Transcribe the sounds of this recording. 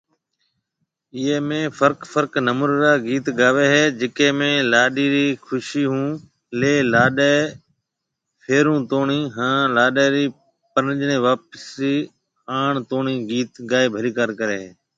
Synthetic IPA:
ɪɦeːmẽːfʰəɾkfʰəɾknəmʊɾɾaːɡiːt̪ɡaːʋeːɦeːd͡ʒɪkeːmẽːlaːɗiːɾiːkʰʊʃiːɦũː | leːlaːɗeː | pʰeːɾũːt̪oːɳiːɦãːlaːɗaːɾiː | pəɾd͡ʒɳẽːʋaːpəsɾiː | aːɳt̪oːɳiːɡiːt̪ɡaːeːbʱəɾiːkaːɾkəɾḛːɦeː

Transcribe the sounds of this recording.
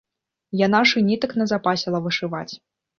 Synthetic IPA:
janaʂɨnʲit̪ɐknɐzapasʲilˠɐvɨʂɨva̰t͡sʲ

